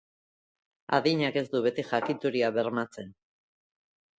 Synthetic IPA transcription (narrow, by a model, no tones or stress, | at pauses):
a̰ðiɲake̞zd̪uβe̞t̪ixakit̪uɾiaβe̞ɾmat͡se̞n